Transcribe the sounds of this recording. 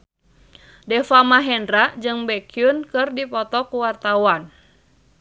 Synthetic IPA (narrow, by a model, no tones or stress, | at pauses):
dɛfamaɦɛndɾaʔd͡ʒɨŋbɛkiunkɨrdipɔt̪ɔkuwart̪awan